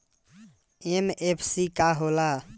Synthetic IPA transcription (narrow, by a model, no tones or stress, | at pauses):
emepʰsikaɦola